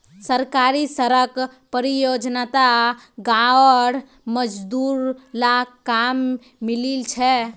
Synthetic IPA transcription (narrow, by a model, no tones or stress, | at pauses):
səɾkaɾisəɾəkpəɾijod͡ʒnat̪aɡaəɽ | məd͡ʒd̪uɾlakamː | ililt͡ʃʰɛ